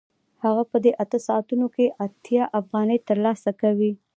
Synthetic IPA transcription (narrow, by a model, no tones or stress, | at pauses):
haɣapəd̪eʔat̪əsɑat̪unokeʔat̪jɑʔafɣɑnəjt̪əɾlɑsakawi